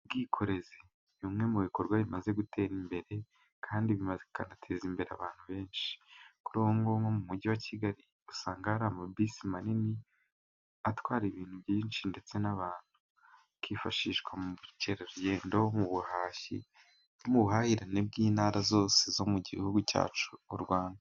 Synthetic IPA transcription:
b̚ɡiːkʰo̞ɾe̞zi | juːmŋe̞muβiko̞ɾɡwaβimaze̞ɡutʰe̞ːɾimbe̞ɾe̞ | kʰaːndiβimazekanatʰeːzimbe̞ɾa̰βaːn̥huβe̞ːnʃi̥kuɾoːhoŋɡoŋɡomumuɟiwaciɡaɾi | usaːŋɡaɾamabisimanini | atwaːɾiβiːn̥huβjiːnʃinde̞t͡se̞naβaːn̥hu | kifaʃiʃkwamuβuceɾeɾujendawomuβuhaːʃḭ | omuβuhahiɾaneb̚ɡiːnaːɾazo̞ːsezo̞muɟihuɡuca̰ːt͡ʃuːɾɡwaːnda

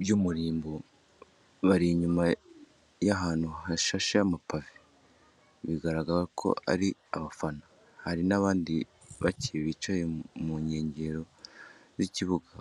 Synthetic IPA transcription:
bjumuɾiːmbo | βaɾiɲuma | jaɦaːn̥huhaʃaʃajamapavi | βiɡaɾaɡaɾakʰo̞̰a̰ɾi | aβafana | haɾinaβaːndi | βaciβiːt͡ʃaje̞muɲe̞ːɲɟe̞ɾo̞ziciβuɡa

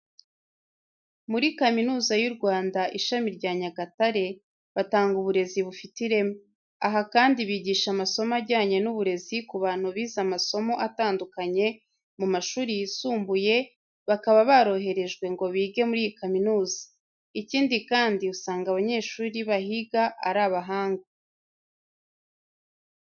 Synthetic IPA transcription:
muɾikaminuːzajuɾɡwaːndaʔiʃamiɾɟaːɲaɡataɾe̞ | βataːŋɡuβuɾe̞ziβufitiɾe̞m | aɦakaːndiβiːɟiːʃamaso̞maɟaːɲe̞nuβuɾe̞zikuβaːn̥huβiːzamaso̞mo̞ʔataːndukaɲe̞ | mumaʃuːɾijisuːmbuje̞ | βakaβaβaɾo̞ɦe̞ɾe̞ʒɡwe̞ŋɡo̞βiːɡe̞muɾiːjikaminuːzi̥ | iciːndikaːndiusaːŋɡaβaɲe̞ːʃuːɾiβahiɡaʔaɾaːβaɦaːŋɡa

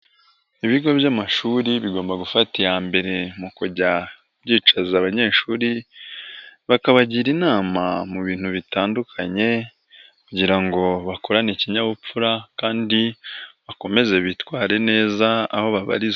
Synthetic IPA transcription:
iβiɡo̞bjamaʃuːɾiβiɡo̞ːmbaɡufatijaːmbe̞ɾe̞mukuɟa | bɟiːt͡ʃazaβaɲe̞ːʃuːɾi | βakaβaɟiɾinaːmamuβiːn̥huβitaːndukʰaɲe̞ | kuɟiɾaŋɡo̞βakoɾaniciɲaβup͡fuɾakaːndiβako̞me̞ze̞βitwaːɾe̞ne̞ːza̰ːho̞βaβa̰ɾiz

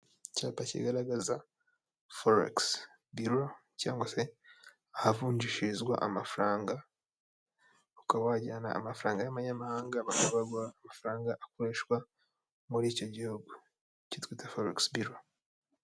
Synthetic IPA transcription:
capacḭɡaɾaɡaza | foɾḛks | buɾo | ca̰ːŋɡwase̞ | ahavuːɲɟiʃizɡwa̰ʔamafuɾaːŋɡa | ukawaɟana̰ːmafuɾaːŋɡaaβaɲamahaːŋɡaβakaβaɡwaaːmafuɾaːŋɡaʔakoɾeːʃkwa | muɾiːco̞ɟihuɡo | citwiːtafoɾeksbiɾo

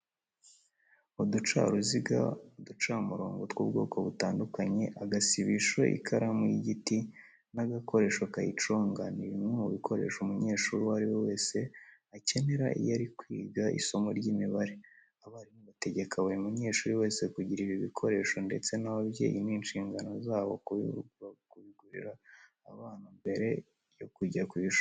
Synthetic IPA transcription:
udut͡ʃa̰ɾuziɡa̰udut͡ʃamuɾo̞̰ːŋɡo̞twuːb̚ɡo̞̰ːkʰo̞βutaːndukaɲe̞ʔaɡasiβiʃo̰ʔḭkʰaɾamujiɟiti | naɡako̞ɾe̞ːʃokajit͡ʃo̞ːŋɡaniɾimŋemuβikʰo̞ɾe̞̰ʃumuɲe̞ːʃuːɾiwaɾiwowe̞ːse̞ace̞ne̞ɾaʔḭjaɾikwiːɡaʔḭso̞moɾɟiːmiβaɾe | aβahaɾimoβate̞ɟe̞kʰawemuɲe̞ːʃuːɾiwe̞ːse̞kuɟiɾiβiβikʰo̞ɾe̞ʃo̞nde̞t͡se̞naβaβje̞̰ːjiniːnʃiːŋɡano̞zaːβo | kuβiɡuɾḭɾaː | βaːn̥umbe̞ɾe̞ | jo̞kuɟakwiʃo

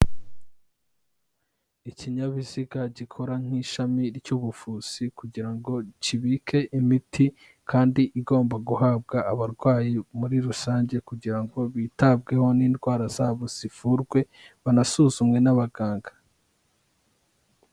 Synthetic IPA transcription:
iciɲaβiziɡaɟikʰo̞ɾaŋ̥iʃamiɾjuβufuz̥ikuɟiɾaŋɡo̞ciβikʰe̞ʔimitʰi | kʰaːndiʔiɡo̞ːmbaɡuɦaːbɡaːβaɾɡwaːjimuɾiɾusaːɲɟe̞kuɟiɾaŋɡo̞βiːtab̚ɡe̞ho̞niːndɡwaːɾaz̥aβoz̥ifuɾɡwe̞ | βanasuːzumŋe̞naβaɡaːŋɡḁ

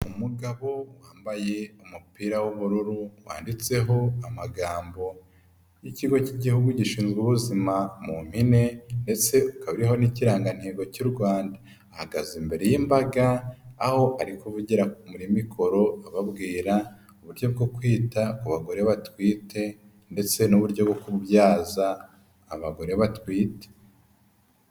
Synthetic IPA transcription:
umuɡaβo̞waːmbaje̞umupiːɾawuβuɾuɾuwa̰ːndit͡se̞ɦo̞amaɡaːmbo̞ | jiciɡo̞ciɟihuɡuɟiʃiːnzɡuβuzimamum̥hine̞nde̞t͡se̞ukaβiɾiɦo̞niciɾaːŋɡan̥heːɡo̞cuɾɡwaːndaː | haɡazimbe̞ɾe̞jimbaɡaːho̞ʔaɾikoβuɟiɾamuɾimikʰo̞ɾo̞aβabɡiːɾa | uβuɾjo̞b̚ɡo̞kwiːtakuβaɡo̞ɾe̞βatwiːte̞ | nde̞t͡se̞nuβuɾɟobɡo̞kubjaːzaː | βaɡo̞ɾe̞βatwiːte̥

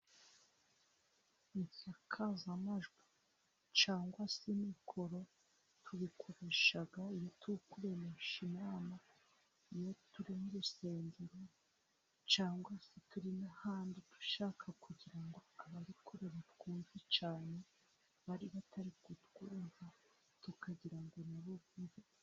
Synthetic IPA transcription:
insakʰazamaʒɡwa | t͡ʃaːŋɡwasimikʰo̞ɾo̞ | tuβikʰo̞ɾe̞ʃaɡaijo̞tukuɾe̞meʃimaːma | ijo̞tuɾimuɾuseːɲdeɾo | t͡ʃaːŋɡwasetuɾinahaːnditu̥ʃaːkʰakuɟiɾaŋɡoaβaɾikuɾe̞βatkuːnzit͡ʃaːne̞ | βaɾiβatʰaɾikutɡuːnva | tukaɟiɾaŋɡo̞naβuβuve

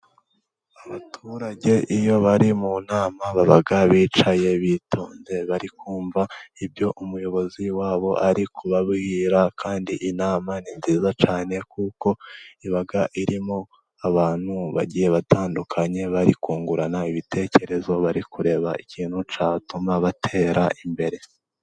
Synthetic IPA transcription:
aβatʰuɾaɟe̞ʔijo̞βaɾimunaːmaβaβaɡaβiːt͡ʃaje̞βitʰo̞ːnze̞βaɾikʰuːɱvaibjo̞ʔumujo̞βo̞ziwaːβo̞̰ʔaɾikʰuβaβɡiːɾakʰaːndiʔinaːmaninziːzat͡ʃaːne̞kuko̞iβaɡaʔiɾimo | aβaːn̥huβa̰ɟiːje̞βataːndukʰaɲe̞βaɾikuːŋɡuɾanaiβitʰe̞ːce̞ɾe̞zo̞βaɾikuɾe̞βaicʰiːn̥hut͡ʃatumaβatʰe̞ːɾʔaʔimbe̞ɾe̞

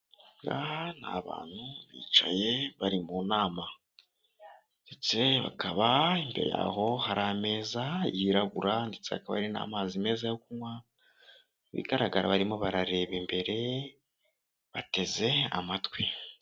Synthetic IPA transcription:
ŋɡana̰βa̰ːn̥huβḭːt͡ʃa̰je̞βaɾimuːnaːma | nde̞t͡se̞βa̰kaβaimbeɾeja̰ːho̞haɾame̞ːzajiɾaβuɾandet͡se̞βa̰kaβa̰ɾina̰ːmazime̞ːzajo̞kumwa | βḭɡaɾaɡaɾaβaɾimo̞βaɾaɾe̞ːβimbe̞ɾe̞ | βate̞ze̞a̰matwi

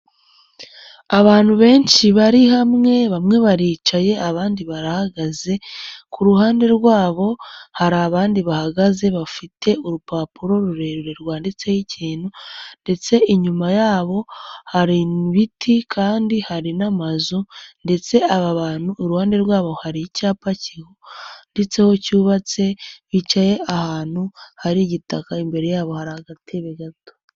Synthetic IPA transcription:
aβaːn̥huβe̞ːnʃiβaɾiɦamŋe̞βamŋe̞βaɾiːt͡ʃaje̞aβaːndiβaɾahaɡaze̞kʰuɾuhaːnde̞ɾɡwaːβo̞haɾaːβaːndiβahaɡaze̞βafitʰe̞uɾupaːpuɾo̞ɾuɾe̞ɾuɾe̞ɾɡwaːndet͡se̞jiciːnhunde̞t͡se̞ʔiɲumajaːβo̞haɾiβitʰikʰaːndihaɾinamazunde̞t͡se̞aβaβaːn̥huːɾuhaːnde̞ɾɡwaːβo̞haɾicaːpacihonde̞t͡se̞ho̞cuːβat͡se̞βit͡ʃaje̞ahaːn̥huhaɾiɟitakaimbe̞ɾe̞jaːβo̞haɾahaɡatiβeɡato̥

